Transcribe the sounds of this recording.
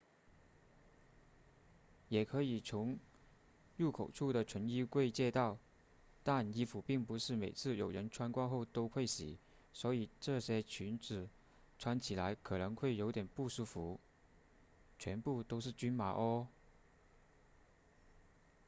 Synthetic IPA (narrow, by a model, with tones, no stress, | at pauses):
jɛ˨˩kʰɤ˧˥i˨˩t͡sʰʊ˧˥ŋ | ɻu˥˩kʰo˨˩ʊʈ͡ʂʰu˥˩d̪ə˩ʈ͡ʂʰwə˧˥ni˥kwe˥˧ɪt͡ɕjɛ˥˧t̪ɑ˥˩ʊ | t̪a˥˩ni˥fu˨˥pi˥˩ŋpu˧˥ʂɻ̩˥˩me˨˩ɪt͡sʰɹ̩˥˩jo˨˩ʊɻə˧˥nʈ͡ʂʰwa˥nkwa˥nxo˥˩ʊt̪o˥ʊxʰwe˥˩ɪɕḭ˨˩˦ | swɔ˧˥i˨˩ʈ͡ʂɤ˥˩ɕjɛ˥t͡ɕʰy˧˥nʈ͡ʂɻ̩˨˩ | ʈ͡ʂʰwa˥nt͡ɕʰi˨˩la˧˥ɪkʰɤ˨˩nɤ˧˥ŋxwe˥˩ɪjo˧˥ʊt̪jɛ˨˩npu˥˩ʂu˥fu˧˥ | t͡ɕʰɥɛ˧˥npu˥˩t̪o˥ʊʂɻ̩˥˩t͡ɕy˥nma˧˥ʔə˥